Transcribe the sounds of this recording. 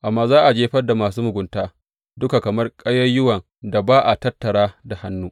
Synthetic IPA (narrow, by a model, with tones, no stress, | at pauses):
ʔa˨mːaː˨zaː˦ʔa˨d͡ʒeː˦ɸɐ˦rda˨maː˨suː˦mʊ˨ɡʷʊ˨ntaː˦ | dʊ˦ka˨kɐ˨mɐ˦rkʼɐ˦jɐ˦jʊ˦wɐ˨n | da˨baː˦ʔa˨tɐ˦tːɐ˨ɽaː˦da˨ha˦nːuː˦